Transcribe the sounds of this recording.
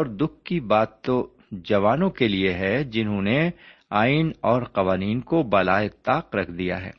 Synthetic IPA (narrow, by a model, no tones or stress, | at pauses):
ɔːɾd̪ʊk̚ʰkibaːt̪ːo | d͡ʒɐʋaːnõkelieɦɛd͡ʒɪnɦõneaːɪnɔːɾqɐʋaːniːnkobɐlaːet̪aːqɾɐkʰd̪ija̰ɦɛ̰ː